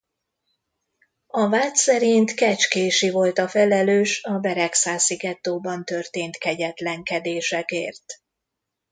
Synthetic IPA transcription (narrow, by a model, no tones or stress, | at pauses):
ɒvaːt̪sɛɾint̪kɛt͡ʃkeːʃivo̞lt̪ɒfɛlɛløːʃɒbɛɾɛksaːsiɡɛt̪ːoːbɒnt̪ø̞rt̪eːnt̪kɛɟɛt̪lɛŋkɛd̪eːʃɛkḛːrt̪